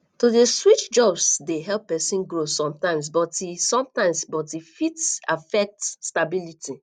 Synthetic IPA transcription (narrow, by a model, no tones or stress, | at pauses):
todeswit͡ʃd͡ʒɔbsdeɦɛlpːɛsĩnɡɹosɔ̃mtãɪ̃ms̬bɔtisɔ̃mtãɪ̃msbɔtifitsafɛk̚tstabiliti